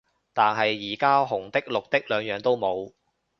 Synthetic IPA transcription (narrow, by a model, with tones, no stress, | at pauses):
t̪aː˨nɦɐ˨jːiː˨˩kaː˥ɦʊ˨˩ŋt̪ɪ˥k̚lʊ˨k̚t̪ɪ˥k̚lœː˨˧ŋjœː˨ŋt̪o˥wmo˨˧w